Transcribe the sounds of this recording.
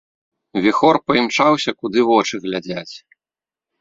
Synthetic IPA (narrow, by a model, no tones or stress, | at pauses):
vʲɛxɔrpɐimt͡ʂawsʲɐkud̪ɨvɔt͡ʂɨɣlʲad͡zʲat͡sʲ